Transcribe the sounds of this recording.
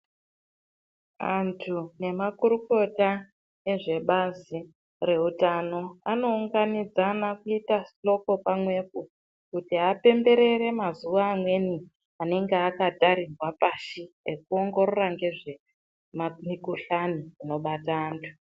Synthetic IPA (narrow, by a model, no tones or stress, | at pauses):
a̰ntʰune̞makuɾuko̞ta | eʐe̞ɓazi | re̞utano̞ano̞uŋɡanid͡zanakuitasɬo̞ko̞pamwe̞k̚u | kutiɦape̞mbe̞ɾe̞re̞mazuʋaːmwe̞ni | ane̞ŋɡeakataɾirwapaʃi | ekuo̞ŋɡo̞ɾoraŋɡe̞ʐe | mamikuɬaniino̞ɓataːntʰu̥